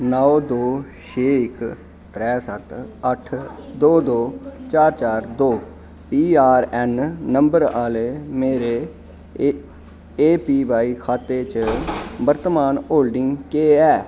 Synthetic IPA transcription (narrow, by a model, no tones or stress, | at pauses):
nɔod̪oːʃʰeːɪk | ɾɛːsət̪əʈʰd̪oːd̪oːt͡ʃaːɾt͡ʃaːɾd̪oː | piːaːɾɛnːəmbəɾaːleːmeːɾeː | eːpiːbaːiːkʰaːt̪eːt͡ʃbəɾt̪maːnoːlɖɪŋɡkeːɛː